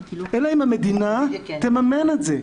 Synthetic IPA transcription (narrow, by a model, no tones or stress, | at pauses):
ʔelaimamed̪inat̪emamenaze